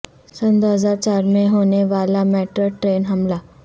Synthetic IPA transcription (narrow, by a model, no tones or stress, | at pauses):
sɐnd̪oːɦəzaːɾt͡ʃaːɾmẽɦoːneʋaːlamɛːʈɾəʈɾeːnɦɐmla